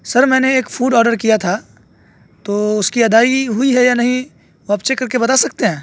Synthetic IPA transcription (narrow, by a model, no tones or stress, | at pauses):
sɐɾmɛ̃ːneeːkfuːɖɔːɖəɾkijat̪ʰa | t̪oːʊskiɐd̪aːiɦʊiɦɛjanɐɦĩ | oɦapt͡ʃekɐɾkebɐt̪asɐk̚t̪eɦɛ̃ː